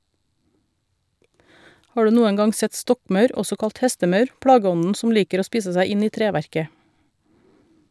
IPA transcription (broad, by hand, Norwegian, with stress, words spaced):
ˈhɑː ˈɖʉː ˈnuːən ˈɡɑŋ ˈsɛt ˈstɔkˌmɑʉɾ ˈɔsɔ ˈkɑlt ˈhɛstəˌmɑʉɾ ˈpɽɑːˌɡɔnn̩ ˈsʊm ˈliːkəɾ ˈoː ˈspiːsə ˈsæɪ ˈɪn ˈiː ˈtɾeːʋæɾkə